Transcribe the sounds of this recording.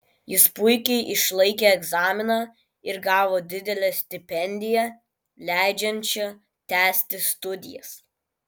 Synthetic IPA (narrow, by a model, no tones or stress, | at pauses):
jɪspʊɪkʲɛɪʔɪʃlˠɐɪkʲeɛɡzɑːmʲɪnɑː | ɪɾɡɑːʋoːd̪ʲɪd̪ʲɛlʲɛsʲt̪ʲɪpʲɛnʲd̪ʲɪjɛ | lʲæˑɪd͡ʒʲɛnʲˑt͡ʃʲɛ | t̪ʲæːsʲt̪ʲɪst̪ʊd̪ʲɪ̰jɛ̰s